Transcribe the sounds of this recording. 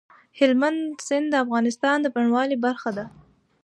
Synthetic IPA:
hɪlmand̪sɪnd̪d̪əafɣɑnɪst̪ɑnd̪əpaɳwɑlibaɾxad̪a

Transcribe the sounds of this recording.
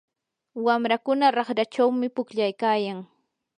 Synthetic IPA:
wamɾakʊnaɾɑχɾat͡ʃawmɪpʊkʎajkaːjaŋ

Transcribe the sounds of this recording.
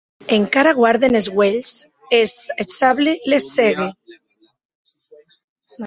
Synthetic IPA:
eŋkaɾaɣwaɾðenezɣwels | esesaβlelesːeɣe

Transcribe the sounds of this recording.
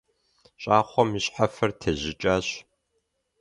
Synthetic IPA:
ɕʼaːχʷɔmiɕħafɐrtʰɐʑɪt͡ʃʼaːɕ

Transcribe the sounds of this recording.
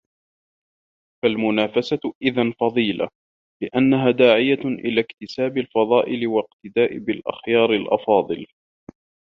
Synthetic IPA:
falmʊnaːfasaʔɪðanfɑðˤiːla̰ | lɪʔanːaɦaːd̪aːʕɪjaʔɪ̰laːkt̪ɪsaːbɪlfɑðˤɑːʔɪlɪwaqt̪ɪd̪aːʔɪbɪlʔa̰xjɑːɾɪlʔɑ̰fɑːðˤɨl

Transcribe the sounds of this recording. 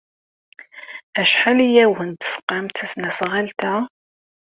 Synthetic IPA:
æʃħalijæwhənd̪sqːɑmt̪əsnæsʁælt̪æ

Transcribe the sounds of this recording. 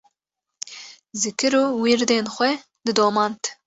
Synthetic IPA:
zɨkɨɾuːwiːɾd̪eːnxʷɛ | d̪ɨd̪oːmɑːnt̪ʰ

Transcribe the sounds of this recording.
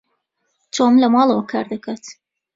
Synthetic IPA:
t͡ʃomlɐmɑːlˠɐwɐkʰɑːɾd̪akʰat̪

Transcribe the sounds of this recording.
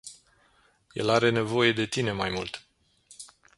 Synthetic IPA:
je̞̰laɾe̞ne̞vo̞je̞d̪e̞t̪ine̞majmult̪

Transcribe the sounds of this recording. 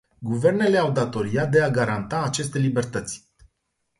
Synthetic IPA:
ɡuve̞rne̞le̞awd̪at̪o̞ɾiat̪̚d̪e̞aɡaɾant̪aːt͡ʃe̞s̬t̪e̞libe̞rt̪ət̪sʲ

